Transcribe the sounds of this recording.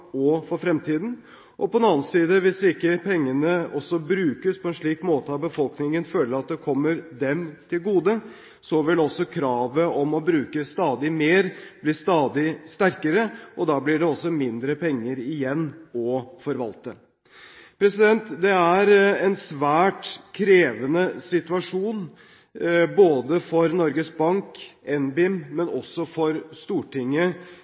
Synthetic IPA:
ɔfɔɾfɾɛmt̪ʰiːd̪n̩ | ʔɔpɔɛnɑːnsiːd̪əʋɪsɪkːəpʰɛŋːənəɔsɔbɾʉːkəspʰɔɛnʂɭiːkmoːt̪əɑbəfɔlknɪŋənføːləɾɑt̪̚d̪ɛkʰɔmːəɾd̪ɛmt̪ʰɪlɡuːd̪ə | sɔʋɪlɛɔsːɔkʰɾɑːʋəʔɔmɔbɾʉːkəst̪ɑːd̪ɪmeːɾblɪːst̪ɑːd̪ɪst̪æɾkəɾəʔɔd̪ɑːblɪɖɛɔsːɔmɪnd̪ɾəpʰɛŋːəɾɪjɛnːɔfɔɾʋɑlt̪ə | pʰɾɛsɪd̪ɛnt̪d̪ɛæɾɛnsʋæːʈkʰɾeːʋənəsɪt̪ʉɑʂuːn | boːd̪əfɔɾnɔɾɡəsbɑŋkɛnbɪmmɛnɔsːɔfɔɾst̪uːʈʰɪŋːə

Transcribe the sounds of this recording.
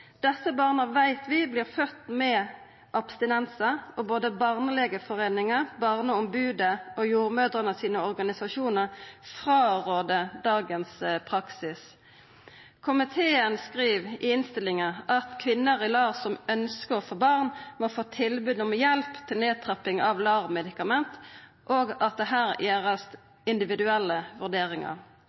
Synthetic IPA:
d̪̥ɛsəbɑːʁnəʋæɪt̪ʰʋɪbliːʁfœt̪mɛ | ʔɑpst̪ɪnɛnsəɔboːd̪əbɑʁnəlɛɡəfɔʁeːnɪŋəʁbɑʁnəɔmbʉːd̪əɔjuːʁmœːd̪ʁənəsiːnəɔʁɡɑnɪsɑʃuːnəʁfʁɑːʁoːd̪əd̪ɑːɡənspʰʁɑksɪs | kʰʊmɪt̪ʰeːənskʁiːʋɪɪnst̪ɪlɪŋəɑt̪kʰʋɪnːəʁɪlɑːʁsɔmœnskəʁɔfoːbɑʁnmɔfoːt̪ʰɪlbʉːd̪nɔmɛjɛlpt̪ʰɪlneːt̪ʰʁɑpɪŋɑʋlɑːʋmɛd̪ɪkɑmɛnt̪ | ʔoːɡɑt̪̚d̪ɛɦæːʁjʔeːʁɑst̪ | ɪnd̪ɪʋɪd̪ʉɛlːəʋʉʁd̪eːʁɪŋɑ̰ʁ

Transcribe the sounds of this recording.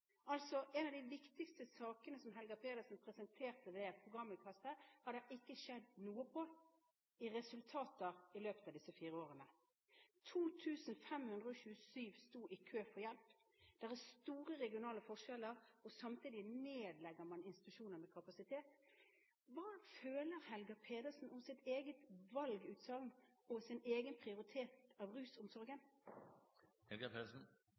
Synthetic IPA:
ɑlt̪sɔʔɛnɑʋd̪æɪʋɪkt̪ɪkst̪əsɑːkənəsɔmɦɛlɡəpʰeːd̪əsɔnpʰɾɛsɛnt̪ʰeːʁt̪əʋ̪ɛɛt̪̚pʰʊɡʁɑmːɪkʰɑsəhɑd̪ɛɪkːəʃɛd̪nuːəpʰɔ | ɪʁɛsʉlt̪ʰɑːt̪əʁɪløːpət̪ɑːʋd̪ɪsːəfiːɾəoːʁənə | t̪ʰuːt̪ʰʉːsnfɛmhʉnd̪ʁəɔɕʉːəsyːʋst̪uːʔɪkʰøːfɔjɛlp | d̪̥æʁæst̪uːʁəʁɛɡɪʊnɑːləfɔʂɛləʁɔsɑmt̪ʰiːd̪ɪneːd̪lɛɡəmɑnɪnst̪ɪ̥t̪ʉʃuːnəɾmɛkʰɑpɑsɪt̪ʰeːt̪ | ʋɑːføːləʁhɛlɡəpʰeːd̪əsn̩ʊmsɪt̪eːɡət̪ʋɑlɡʉːt̪sɑlnɔsɪneːɡənpʰʁɪʊʁɪt̪ʰeːt̪ɑʋʁʉːsʊmsɔɾɡən | hɛlɡɑpʰeːd̪əsn̩

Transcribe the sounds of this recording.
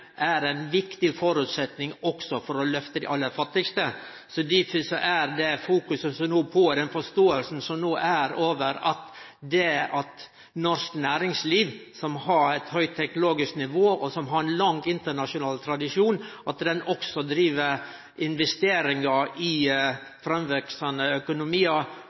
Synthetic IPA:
ʔæɾænʋɪkt̪ɪfɔɾʉt̪sɛt̪nɪŋɔksɔfɔɾɔlœft̪əd̪ɛ̰ʔɑlːəɾfɑt̪ːɪkst̪ə | sɔd̪ifsɔʔæɾd̪ɛfuːkʉsəsɔmnoːpʰɔd̪ɛnfɔʂt̪oːəlsn̩sɔmnoːʔæɾoːʋəɾɑt̪ | d̪ɛɑt̪ | nɔɾsknæːɾɪŋsliːʋsɔmhɑɾɛt̪hœʏt̪ʰːɛknʊloːɡɪsknɪʋoːʔɔsɔmɦɑɾɛnlɑŋɪnt̪əɳɑʂʊnɑːlt̪ʰɾɑd̪ɪʂuːnʔɑt̪d̪ɛnɔksɔd̪ɾiːʋəɾ | ɪnʋɛst̪eːɾɪŋɑʔɪ | fɾɑmʋɛksɑnəœkʊnʊmiːɑ

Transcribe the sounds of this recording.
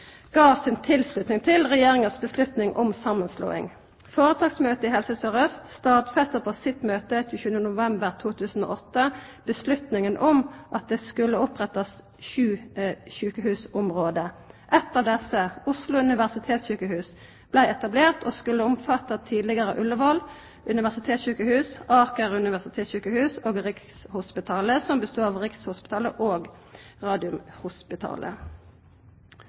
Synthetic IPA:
ɡ̥ɑːʋsɪnt̪ʰɪlslʉt̪nɪŋt̪ʰɪlʁɛjeːʁɪŋəsbəslʉt̪nɪŋʔʊ̰msɑmːənslṵːɪ̰ŋ | foːɾət̪ʰɑːɡsmøːt̪əɪhɛlsəsøʁœst̪st̪ɑːd̪fɛst̪əʁpʰosɪt̪møːt̪əçʉːçʉːənənʊʋɛmbəʁt̪ʰuːt̪ʰʉːsn̩o̰ːʔɔt̪ːəb̥əslʉt̪nɪŋənʔʊmʔɑt̪̚d̪eːskʉlːəʊpʁɛt̪ɑs | ʃʉːɕʉːkəhʉːsʊmʁoːd̪əʔɛt̪ːɑːʋd̪ɛsəʊslʊʉnɪʋæʁsɪt̪ʰeːt̪sɕʉːkəhʉːs | b̥læɪɛt̪ɑbleːʁt̪oːskʉlːəʊmfɑt̪ːɑt̪ʰiːd̪lɪɡəʁəʔʉlːəʋɔl | ʉnɪʋæʁsɪt̪ʰeːt̪sɕʉːkəhʉːsɑːkəʁʉnɪʋæʁsɪt̪ʰeːt̪sɕʉːkəhʉːsoːɡʁɪkshʊspɪt̪ʰɑːləsɔmbəst̪uːɑʋʁɪkshʊspɪt̪ʰɑːləʔoːɡ | ʁɑːd̪ɪʉmhʊspɪt̪ʰɑ̰ːlʔə̰

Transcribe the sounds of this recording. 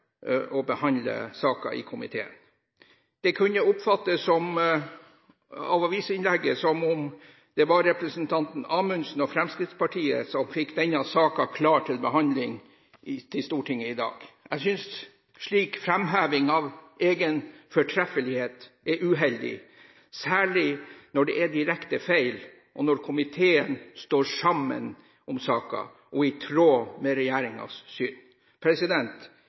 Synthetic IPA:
ɔbəhɑnlə̰sɑːkɑ̰ʔɪ̰kʰʊmɪt̪ʰeːə̰n | d̪̥ɛkʰʉnːəʊpfɑt̪ːəsːɔm | ɑ̰ːʋɑʋiːsɪnlɛɡːəsɔmʊm | d̪̥ɛʋɑɾɾɛpɾəsənt̪ʰɑnt̪n̩ɑːmʉnsn̩ɔfɾɛmskɾɪt̪spɑʈʰiːə̰sɔmfɪkd̪ɛnːɑsɑːkɑkʰlɑːʈʰɪlbəhɑnd̪lɪŋ | ɪt̪ʰɪlst̪uːʈʰɪŋːəɪd̪ɑ̰ːɡ̥æsʏns | ʂɭiːkfɾɛmɦæːʋɪŋɑʋʔeːɡənfɔʈʰɾɛfəlɪheːt̪ | ɛɾʔʉːɦɛld̪ɪ̰ | sæːɭɪnɔɖɛʔæɖɪɾɛkt̪əfæɪl | ʔɔnɔɾkʰʊmɪt̪ʰeːənst̪oːɾʂɑmːə̰n | ʔɔmsɑːkɑ̰ | ʔɔɪt̪ʰɾoːmɛɾɛjæːɾɪŋɑ̰sːyːn | pʰɾɛsɪd̪ɛnt̪

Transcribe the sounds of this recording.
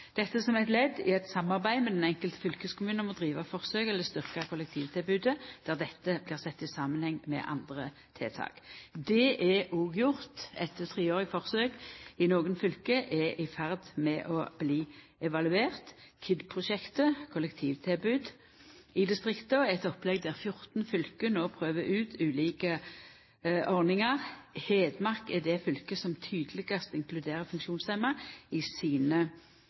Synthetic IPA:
d̪̥ɛt̪ːəsɔmæɪt̪lɛd̪ːɪ̰ɛt̪sɑmːɑʁbæɪmɛd̪ɛnɛŋkəlt̪əfʏlkəskʰʊmʉːnmɔd̪ʁiːʋɑfɔʁsøːɡɛlːəst̪ʏʁkɑkʰʊlɛk̚t̪ʰiːʋt̪ʰɪlbʉːd̪əd̪̥æːʁd̪ɛt̪ːəblɪːʁsɛt̪ːɪsɑːmənhɛŋmɛ̰ʔɑ̰nd̪ʁə | t̪ʰḛːt̪ʰɑ̰ːɡ̥d̪ɛʔɛuːɡjʊʁt̪ɛt̪t̪ʰʁiːoːʁɪfɔʁsøːɡɪnoːɡənfʏlkəʔɛʔɪfæʁd̪mɛʔɔb̥liː | ɛʋɑlʉeːʁt̪kʰɪd̪pʰʁʊʃɛkt̪əkʰʊlɛkt̪ʰiːʋt̪ʰɪlbʉːd̪ | ɪd̪ɪst̪ʁɪkt̪əɛt̪ɔplɛɡd̪æʁfjʊʁt̪n̩fʏlkənoːpʰʁøːʋəʔʉːt̪ʰʉːliːkə | ʔɔʁnɪŋəʁheːd̪mɑʁkɛd̪ɛfʏlkəsɔmt̪ʰyːd̪əlɪɡəst̪ɪŋklʉd̪eːʁəfʉŋkʃuːnsɛmɑɪsiːnə

